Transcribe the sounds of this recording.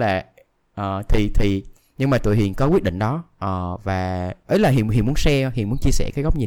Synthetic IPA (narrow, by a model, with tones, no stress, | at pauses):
laː˨˩ | ʔəː˨˩t̪ʰi˨˩t̪ʰi˨˩ | ɲɨ˧ŋmaː˨˩t̪ṵ˧˨ɦḭ˨˩ənkɔ˨˦kwi˦˥ət̚ɗḭ˧˨ŋ̟ɗɔ˨˦ʔəː˨˩vaː˨˩ʔə˨˦jlaː˨˩ɦḭ˨əɦḭ˨nmu˨˦ənsɛ˧hi˨ənmu˨˦ənt͡ɕi˧əsɛ̰˧˩kaː˨˦jɣɔ˦˥k͡p̚ɲi˨˩˨